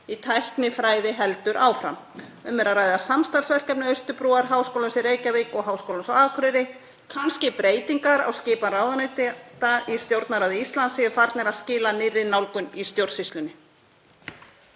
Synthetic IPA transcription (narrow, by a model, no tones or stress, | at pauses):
it̪ʰajhknɪfɾaːjðɪɦɛlt̪ʏɾʔaːwfɾa̰m | œmːɛɾaraːjðasamst̪alsvɛr̥cɛp̚nɪœɥst̪ʏpɾuːaɾ̥ɦaːwskowlansɪreːjcaviːkɔɣɦawskowlansaaːkʰɾʏɾɪ | kʰanscɪpɾeːjt̪iŋkaɾa̰wscɪːparaːwðanɪt̪ɪt̪aist̪jowɾt̪naɾaðɪist̪lansɪɪfaɾt̪nɛɾascɪːlanɪrːɪnawlkʏnist̪jowɾsist̪lʏnːɪ